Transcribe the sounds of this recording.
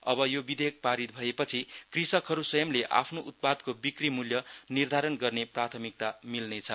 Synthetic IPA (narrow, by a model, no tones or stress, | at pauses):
ʌbʌjobid̪ek̚paɾit̪̚bʱʌepʌt͡sʰikrisʌkɦʌɾuswʌjʌmleʔa̰pʰnoʔut̪̚pad̪kobikrimuljʌnird̪ʱaɾʌnɡʌrneprat̪ʰʌmik̚t̪amilnet͡sʰʌ